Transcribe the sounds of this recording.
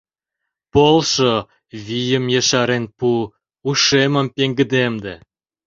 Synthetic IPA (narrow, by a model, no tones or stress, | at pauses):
polˠʃo | βijəmjeʃɑɾenpu | uʃemə̆mpeŋɡə̆d̪emd̪e